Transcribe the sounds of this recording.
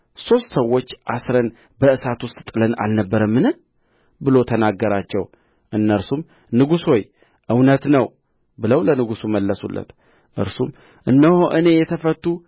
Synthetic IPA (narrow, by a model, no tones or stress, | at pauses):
so̞st̪səwːo̞t͡ʃːʔasɾən | bəʔɨsat̪wʊst̪ʼt̪ʼɨləna̰lnəbːəɾəmːɨnɨ | bɨlo̞t̪ʰənaɡːəɾat͡ʃːɛw | ʔɨnːəɾsum | nɨɡuso̞j | ʔɨwnət̪nəw | bɨləwlənɨɡusuməlːəsṵlːə̰t̪ | ʔɨ̰ɾsum | ʔɨnːəhoʔɨne̞jɛt̪ʰəfət̪ːu